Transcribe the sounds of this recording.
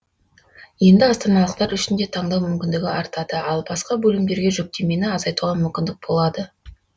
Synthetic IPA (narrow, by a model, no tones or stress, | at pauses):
je̞nd̪ɪɑst̪ɑnɑlˠəqt̪ɑɾʏʃɪnd̪e̞t̪ʰɑɴd̪ɑwmʏmkʲɪnd̪ɪɡʲɪɑɾt̪ɑd̪̥əɑlˠbɑsqɑbɵlɪmd̪e̞ɾɡʲe̞ʒɵk̚t̪e̞me̞nɪɑzɑjt̪uʁɑmʏmkʲɪnd̪ɪk̚b̥o̞lˠɑd̪ə